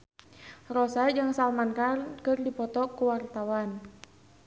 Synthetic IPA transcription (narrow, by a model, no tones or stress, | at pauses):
rɔsad͡ʒɨŋsalmankarkɨrdipɔt̪ɔkuwart̪awan